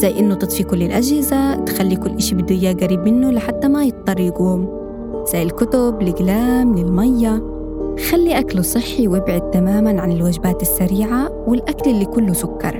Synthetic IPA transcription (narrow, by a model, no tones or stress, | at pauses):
z̥ajːʔɪnːʊt̪ˤɨt̪ˤfikʊlːɪlʔad͡ʒhɪzat̪xalːikʊlːʔaʃibɪd̪uɪjːaːɡaɾiːbmɪnːʊlɪħat̪ːamajɨt̪̚ːˤɑrˤːiɡuːm | z̥ajːɪlkʊt̪ʊblɪɡlaːmlɪlmajːa | xalːiʔaklusˤɨħːiwɪbʕɪd̪̚t̪amaːmanʕanɪlwaːd͡ʒɪbaːt̪ɪsːaɾiːʕawɪlʔakalɪlːikʊlːʊsʊkːɑ̰ɾˤ